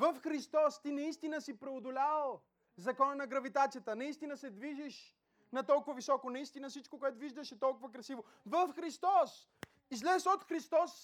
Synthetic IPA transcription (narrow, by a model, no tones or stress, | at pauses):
vəfxɾist̪ɔst̪inɐist̪inəsipɾɛod̪ʊlʲaəlˠ | zɐkɔnənɐɡɾɐvit̪at̪sijət̪ənɐist̪inəsɛd̪viʒiʃ | nɐt̪ɔlˠkʊvɐvisɔkonɐist̪inəfsit͡ʃkokʊɛt̪ʊviʒd̪əʃɛt̪ɔlˠkʊvəkɾɐsivo | vəfxɾist̪ɔs | izlɛsot̪xɾist̪ɔs